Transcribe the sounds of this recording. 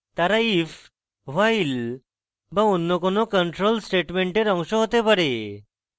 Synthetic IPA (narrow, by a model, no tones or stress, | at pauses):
t̪aɾaif | ʋail | baunːɔkonokəɳʈɾolsʈeʈmeɳʈeɾɔ̃ŋʃɔɦot̪epəɾe